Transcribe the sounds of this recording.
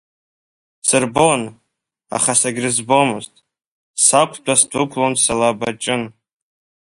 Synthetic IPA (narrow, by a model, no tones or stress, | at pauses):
sɨrbon | a̰χasaɡʲrɨzbomɨztʼ | sakʷʰdʷʼasdʷʊkʷʰʼlonsalabat͡ʃʼɪn